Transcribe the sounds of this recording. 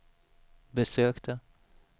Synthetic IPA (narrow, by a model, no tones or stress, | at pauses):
bəsøːkt̪ʰə